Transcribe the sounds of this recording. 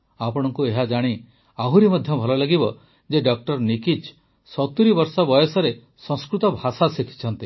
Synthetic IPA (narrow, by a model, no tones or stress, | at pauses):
apɔɽ̃ɔŋkueɦad͡ʒaɽ̃i | aɦuɾimɔd̪ʱjɔbʱɔlɔlaɡibɔ | d͡ʒeɖɔk̚ʈɔɾnikit͡ʃ | sɔt̪uɾibɔɾsɔbɔjɔsɔɾe | sɔ̃skɾut̪ɔbʱasasikʰi̥t͡ʃʰɔnt̪i